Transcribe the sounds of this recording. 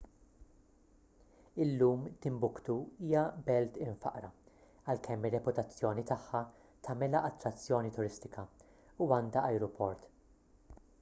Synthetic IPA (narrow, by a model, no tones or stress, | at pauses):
ɪlːuːmt̪ɪmbʊkt̪uiːjɐbɛlt̪ɪɱfɐ̰ʔɾɐ | ɐlkʰɛmːɪrːɛpʊt̪ɐt͡sːjɔːnit̪ɐħːɐ | t̪ɐmɛlɐʔɐt̪ːɾɐt͡sːjɔːnit̪ʊɾɪst̪ɪkɐ | uɐːnd̪ɐʔɐjɾɔpʰɔɾt̪